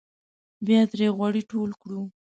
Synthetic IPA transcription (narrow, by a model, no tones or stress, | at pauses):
bjɑd̪ɾeɣwɑɽiʈolkɽu